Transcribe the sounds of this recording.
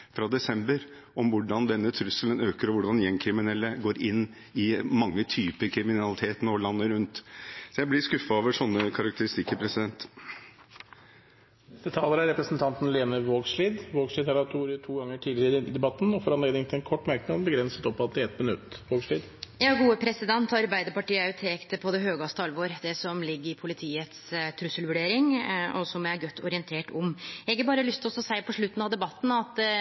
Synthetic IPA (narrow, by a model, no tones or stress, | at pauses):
fɾɑd̪ɛsɛmbəɾ | ɔmʋʊɖɑnd̪ɛnːət̪ʰɾʉsələnøːkəɾɔʋʊɖɑnjɛŋkʰɾɪmɪnɛlːəɡoːɾʔɪnː | ɪmɑŋːət̪ʰyːpəɾkʰɾɪmɪnɑlɪt̪ʰeːt̪nɔlɑnːəɾʉnt̪sɔjæɪblɪskʉfːɑoːʋəʂɔnːəkʰɑɾɑk̚t̪əɾɪst̪ɪkːəpʰɾɛsɪd̪ɛnt̪ | nɛst̪ət̪ʰɑːləɾæɾɛpɾəsn̩t̪ʰɑnt̪n̩leːnəʋoːɡsliːd̪ʋoːɡsliːd̪ʰɛlɑt̪ʰuːɾəʈ̪ʰuːɡɑŋːəʈʰiːlɪɾd̪ɪd̪ɛbɑt̪ːn̩ɔfɔɾɑnleːd̪ɪŋt̪ɪlɛnkʰɔʈːmæɾknɑd̪bəɡɾɛnsə̥t̪ɔpːɑt̪̚d̪ɪɛt̪̚bənʉt̪ːʋoːɡsʂɭiːd̪jɑːɡuːəpʰɾɛsɪd̪ɛnt̪ʰɑɾbæɪd̪əɾpɑʈiːəʉt̪ʰeːkt̪əpʰɔd̪ɛɦøːɡɑst̪əɑlʋoːɾd̪ɛsɔmlɪɡːəɾɪpʰʊlɪt̪ʰiːət̪st̪ʰɾʉsəlʋʉɖeːɾɪŋʔɔsɔmææɾɡœt̪ːɔɾɪənt̪ʰeːʈɔmɛɡəbɑːɾəlʏst̪ʰlɔsɔsæɪpʰɔʂɭʉt̪ːn̩ɑʋd̪ɛbɑt̪ːn̩ɑt̪